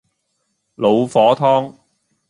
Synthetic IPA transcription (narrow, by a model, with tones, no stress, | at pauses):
lo˨˧wfɔː˨˥t̪ʰɔː˥ŋ